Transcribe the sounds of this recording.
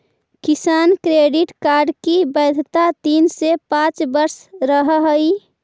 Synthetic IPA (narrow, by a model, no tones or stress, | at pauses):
kɪsaːnkɾeɖɪʈkaːɾɖkibəd̪ʱt̪at̪iːnsepãːt͡ʃbəɾsɾəɦɦəi